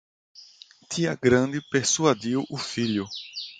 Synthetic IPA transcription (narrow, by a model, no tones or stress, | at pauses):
t̪ʰiɐɡɾɐ̃nd̪ɪpeɾsuad̪iwʔʊfiʎʊ